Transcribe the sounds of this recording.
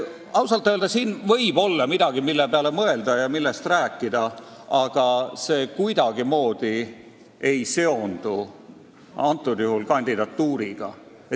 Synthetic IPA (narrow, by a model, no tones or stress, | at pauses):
ɑwsɑlt̪ːˑøld̪̥ɑsiːnvɤ̞jb̥o̞lːɑmid̪ɑɡ̥imilːepeɑlemɤe̞ld̪̥ɑjɑmilːest̪ræːkːid̪̥ɑɑɡ̥ɑse̞ːkujd̪ɑɡ̥imo̞ːd̪̥i | e̞jse̞o̞nd̪̥u | ɑnt̪ːˑud̪̥juhulkɑnʲd̪̥id̪ɑt̪ːuːɾiɡ̥ɑ̰ | e